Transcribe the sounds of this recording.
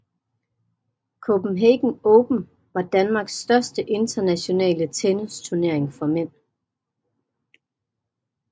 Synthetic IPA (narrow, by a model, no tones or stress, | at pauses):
kʰob̥m̩ɦeɡ̥n̩ɔːb̥n̩ | ʋɑ̈d̥ænmɑ̈ːɡ̥sd̥ɶɐsd̥əʔe̝nd̥ɐnæɕo̝nɛ̰ːlət͡sʰenist͡sʰuɐne̝ɐ̰e̝ŋfɒmen̰